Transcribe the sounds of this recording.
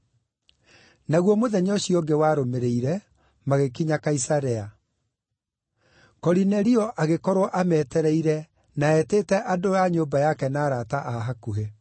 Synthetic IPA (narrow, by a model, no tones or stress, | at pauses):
naɣwɔmoðɛɲɔɕiɔɡewaːɾomeɾeiɾɛ | maɣekiɲakaisaɾɛa | kɔɾinɛɾiɔʔaɣekɔɾwɔʔamɛːtɛɾɛiɾɛ | naɛteːtɛʔadoaɲoːbajakɛnaːɾataʔaɦakuɦe